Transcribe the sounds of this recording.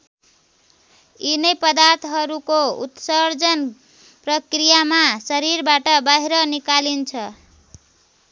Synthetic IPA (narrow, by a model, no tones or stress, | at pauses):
inʌjpʌd̪art̪ɦʌɾukoṵt̪sʌrd͡zʌn | prʌkrijamasʌɾiɾbaʈʌbaɦiɾʌnikalint͡sʰʌ